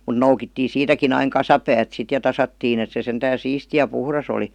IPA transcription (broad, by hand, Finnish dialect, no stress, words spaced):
mun̆ noukitːiː siːtækin ɑiŋ kɑsɑpæːt sit jɑ tɑsɑtːiːn et se sentæːn̞ siːsti jɑ puhrɑs oli